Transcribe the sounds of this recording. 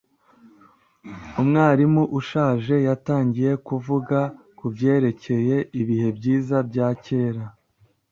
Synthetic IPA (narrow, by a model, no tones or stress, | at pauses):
umŋaːɾimuʔuʃaːʒe̞jataːɲɟije̞kuvuɡa | kubje̞ːɾe̞cʰe̞je̞iβihe̞bɟiːzabɟaːce̞ːɾa